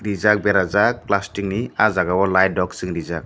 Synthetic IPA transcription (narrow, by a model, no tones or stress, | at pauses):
ɾizak̚bɛɾazak̚plastiŋniazaɡawɔlajdɔksɯŋɾizak̚